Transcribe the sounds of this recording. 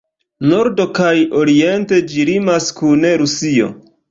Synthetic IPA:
noɾdo̞kajoɾie̞nte̞d͡ʒiɾimaskune̞ɾusio̞̰

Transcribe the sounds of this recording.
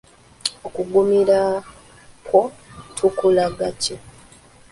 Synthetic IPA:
okuɡumiɾa | kʰwotʰukulaɡaco

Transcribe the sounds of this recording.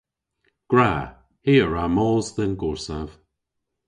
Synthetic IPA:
ɡ̥ɹa | hiːəɹamɔːzðɛnɡɔɹsav̥

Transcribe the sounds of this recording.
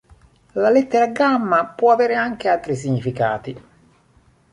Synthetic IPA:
lalɛt̪ːeɾaɡamːapwɔaveːɾeaŋk̟ealt̪ɾis̬iɲːifika̰ːt̪i

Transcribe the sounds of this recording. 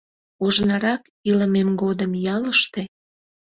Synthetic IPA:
oʒnɑɾɑk | iləmemɡod̪əmjɑləʃt̪e

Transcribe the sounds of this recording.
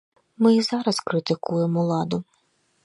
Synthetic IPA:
mɪzɑɾɐskɾɪt̪ɪkujemɔlˠɑd̪ʊ

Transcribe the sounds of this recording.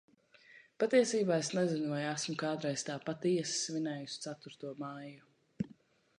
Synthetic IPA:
pat̪iɛsiːbaːesnɛzinuvajasmʊkaːd̪ɾɛjst̪aːpat̪iɛssvinɛːjusʲt̪sat̪uɾt̪uɔmaːju

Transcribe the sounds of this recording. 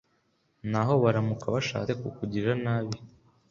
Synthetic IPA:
naɦo̞βaɾamukaβaʃa̰ːekukuɟiɾanaːβi

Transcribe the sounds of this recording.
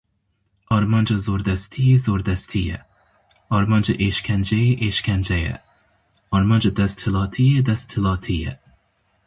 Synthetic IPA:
ɒɾmɑnd͡ʒɑzoɾd̪æst̪ʰijezoɾd̪æst̪ʰijɛ̰ | ɒɾmɑnd͡ʒɑʔeʃkʲʰænd͡ʒæjɪʔeʃkʲʰænd͡ʒæjɛ̰ | ɒɾmɑnd͡ʒɐd̪æst̪ʰhɪlˠɑːt̪ʰijɛd̪æst̪ʰɪlˠɑːt̪ʰijɛ̰

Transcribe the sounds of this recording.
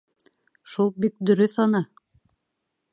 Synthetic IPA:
ʃulˠbik̚d̪ɵ̆ɾɵθɑnɤ

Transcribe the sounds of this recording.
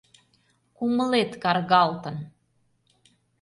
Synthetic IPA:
kuməlet̪kɑrɣɑlt̪ə̆n

